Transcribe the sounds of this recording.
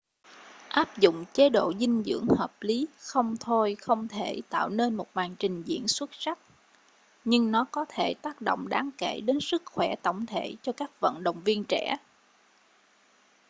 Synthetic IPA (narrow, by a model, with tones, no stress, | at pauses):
ʔaː˦˥p̚zʊ̰˧˨ŋ͡mt͡ɕe˨˦ɗo̰˧˨zï˧ŋ̟zɨ̰˧˥əŋhəː˨˩p̚li˨˦xə˧wŋ͡mt̪ʰo˧jxə˧wŋ͡mt̪ʰe˧˩t̪a̰ː˧˨wne˧nmo˨˩t̚maː˨˩ŋt͡ɕï˨˩ŋ̟zḭ˧˥ənswə˦˥t̚sa˦˥k̚ | ɲɨ˧ŋnɔ˨˦kɔ˨˦t̪ʰe˧˩t̪aː˦˥k̚ɗo̰˧˨wŋ͡mɗaː˨˦ŋke˧˩ɗe˨˦nsɨ˦˥k̚xwɛ˧˩t̪ə̰˧˩wŋ͡mt̪ʰe˧˩t͡ɕɔ˧kaː˦˥k̚və̰˧˨nɗə̰˨wŋ͡mvi˧ənt͡ɕɛ̰˧˩